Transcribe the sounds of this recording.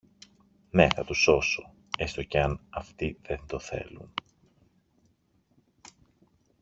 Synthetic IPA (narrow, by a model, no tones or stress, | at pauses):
ne̞θɐt̪uso̞so̞ | e̞st̪oceɐnɐft̪iðe̞nd̪o̞θe̞̰lun